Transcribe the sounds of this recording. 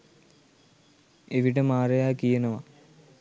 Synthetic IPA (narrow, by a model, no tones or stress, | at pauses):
eʋiɽemaːrɐjaːkijɐnɐʋɐ